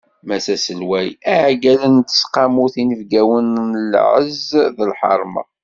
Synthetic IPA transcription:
mæsæsəlwæjæʕɡælənt̪ə̥sqɑmuθinəvɡæwənəlʕəzðəlħɑ̰ɾˤmɑ̰

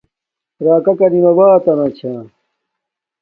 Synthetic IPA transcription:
ɾaːkɐkɐɾimɐbaːt̪ɐnãt͡ɕʰãː

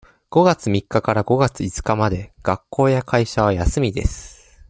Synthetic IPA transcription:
ɡ̥o̞ɡat͡sɨmʲikːakaɾaɡo̞ɡat͡sɨit͡sɨ̥kamad̪e̞ɡ̥akːo̞ːjakʰaiɕaβajasɨmʲid̪e̞̰sɨ̥

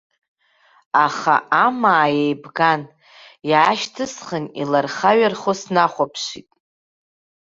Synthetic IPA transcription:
aχa̰amaːjejbɡan | jʕaʃtʰɨsχənḭlarχaɥarχosnaχʷapʰʃitʼ

